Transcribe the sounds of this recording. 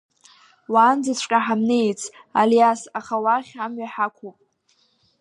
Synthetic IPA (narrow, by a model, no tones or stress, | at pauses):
waːnd͡zat͡sʷʰʼkʼaħamnejt͡sʰ | a̰ljasaχawaχʲamɥaħakʷʰupʼ